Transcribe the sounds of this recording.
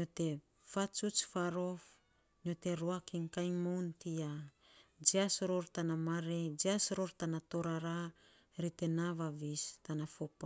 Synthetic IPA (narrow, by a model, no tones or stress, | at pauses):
ɲote̞ | fat͡ʃut͡ʃfaɾo̞f | ɲote̞ɾoakiŋkajŋmowntia | d͡ʒiasɾoɾtanamaɾed͡ʒiasɾoɾtanato̞ɾaɾa | ɾite̞navavistanafopa